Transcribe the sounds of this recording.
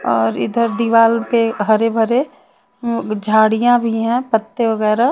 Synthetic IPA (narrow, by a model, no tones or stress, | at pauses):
ɔːɾɪ̰d̪əɾd̪iʋaːlpeɦɐɾebʱɐɾe | d͡ʒʱaːɽijãbʱiɦɛ̃pət̪ːeʋɐɡɛːɾa